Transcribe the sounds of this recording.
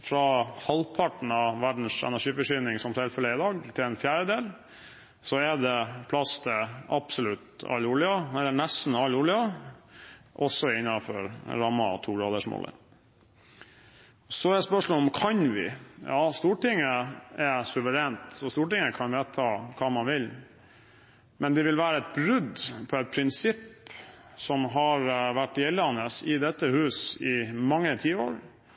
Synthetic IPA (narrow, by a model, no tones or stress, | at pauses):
fɾɑhɑlpʰɑʈn̩ɑʋæɖɳ̩sɛ̰næʂiːfɔʂyːnɪŋsɔmt̪ʰɛlfɛləɪd̪ɑːɡt̪ʰɪlɛnfjæːɾəd̪eːl | sɔɛɖ̪ɛpʰlɑst̪ʰəɑ̰psɔlʉt̪ɑ̰lːulɪɑɛlːɛnɛst̪n̩ɑlːʊɭɪɑ | ʔɔsɔɪnːɑfɔɾɾɑmːɑ̰t̪ʰuːɡɾɑːd̪əʂmo̰ːlə̰ | sɔæspœʂmɔlɔmkʰɑnʋɪ̰jɑːst̪uːʈɪŋːəɛsʉʋəɾeːnt̪sɔst̪uːʈɪŋːəkʰɑnʋet̪ʰːɑːkʰɑːmɑnʋɪl | mɛnd̪ɛʋɪlʋæːɾəɛt̪̚bɾʉd̪pʰɔɛt̪̚pʰɾɪnsɪp | sɔmɦɑɾʋæʈːɪɛlːɑnːəsɪd̪ɛt̪ːəhʉːsɪmɑŋːət̪ʰiːəo̰ːɾ